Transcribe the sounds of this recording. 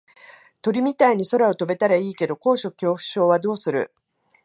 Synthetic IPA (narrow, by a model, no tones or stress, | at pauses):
t̪o̞ɾʲimʲit̪aiɲ̟iso̞ɾao̞t̪o̞be̞t̪aɾaiːke̞d̪o̞ko̞ːɕo̞kʲo̞ːɸɯ̟̥ɕo̞ːβad̪o̞ːsɨɾɯ̟̰